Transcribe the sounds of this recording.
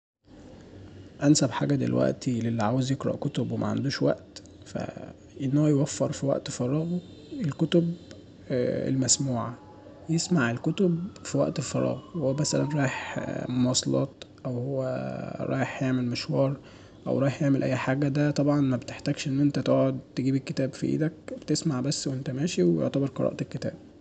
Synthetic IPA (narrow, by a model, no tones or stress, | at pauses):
ʔænsæbħaːɡæd̪ḛlwæ̰ʔt̪ilelːiʕaːwezjeɡɾˤɑ̰ʔkot̪obwemʔæ̰ʕa̰nd̪uːʃwæ̰ʔt̪ | fæ̰ | ʔenːohæjewæfːeɾˤfiwæ̰ʔt̪fɑɾˤɑːɣ | elkot̪ob | ḛlmæsmuːʕa̰ | jesmaʕelkot̪obfiwæ̰ʔt̪elfɑɾˤɑ̰ːɣehowːæmæsælænɾˤɑːjeħmoɑsˤlɑ̰ːt̪ʔæwhowːæ̰ɾˤʔɑ̰ːjeħjeʕmelmeʃwɑːɾˤ | ʔæ̰wɾˤɑːjeħjeʕmelʔæ̰jːħaːɡæd̪æt̪ˤɑbʕɑnmæbet̪eħt̪æːɡʃʔenːʔent̪æt̪oːʕod̪t̪eɡiːbekːet̪æːbfḭʔḭːd̪æk̚b̥et̪esmaʕbæsːwʔent̪æmæːʃiwejo̰ʕt̪æbɑɾˤqɑɾˤɑ̰ʔt̪elkːet̪æ̰ːb̥̚